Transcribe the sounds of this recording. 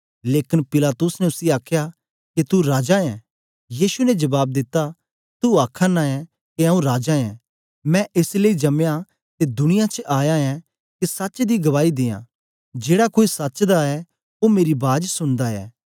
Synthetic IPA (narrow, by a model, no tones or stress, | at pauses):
leːkɪnpɪlaːt̪ʊsnɛʊsiaːkʰja | ket̪uɾaːd͡ʒaɛ̃ | jiːsunɛd͡ʒɐbaːb̚d̪ɪt̪ːa | t̪uaːkʰanaɛ | keaũɾaːd͡ʒaɛ̃ː | mɛ̃ʔɪsleid͡ʒɐmja | t̪ed̪ʊñɪjat͡ʃʔaːjaɛ | kisɐtːt͡ʃd̪iɡɐʋaːid̪ɪːjã̰ː | d͡ʒeːɽakoːisɐtːt͡ʃd̪aɛ | omeːɾibaːd͡ʒsʊɽ̃d̪aɛ̰ː